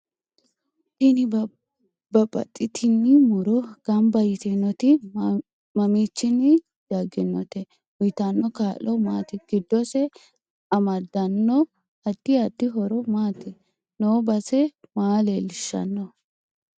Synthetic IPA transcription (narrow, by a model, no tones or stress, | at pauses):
tɪnɪ | bɐpʼːɐ̰t̪ʼːɪt̪ʰɪnːɪmʊɾɔɡ̥ɐmbɐjɪt̪ɛnːɔt̪ɪ | mɐmiːt͡ʃːɪnːɪ | d̪̥ɐɡɪnːɔt̪ɛ | wʊjt̪ɐnːɔkaːlɔmaːt̪ɪɡ̥ɪd̪ːɔsɛ | ɐmɐd̪ɐnːɔ | ɐd̪̥ːɪɐd̪ːɪɦɔɾɔmaːt̪ɪ | noːbɐsɛmaːlelɪʃːɐ̰nːɔ